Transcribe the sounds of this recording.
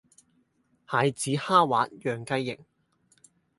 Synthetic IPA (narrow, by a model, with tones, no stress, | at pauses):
haː˨˧jt͡siː˨˥haː˥wa̰ː˨˥t̚jœː˨˩ŋkɐ˥jːɪ̰˨ŋ̚